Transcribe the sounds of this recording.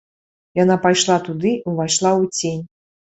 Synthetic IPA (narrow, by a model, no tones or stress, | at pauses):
janapajʂlˠat̪ud̪ɨʔuvajʂlˠawt͡sʲenʲ